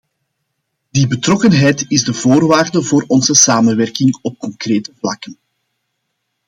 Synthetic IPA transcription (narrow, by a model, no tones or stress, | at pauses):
d̥ibətrɔkənɦɛjtɪzdəvoːrʋaːrdəvoːɾɔnzəsaːmənʋɛrkɪŋɔp̚kɔŋkreːtəvlɑkən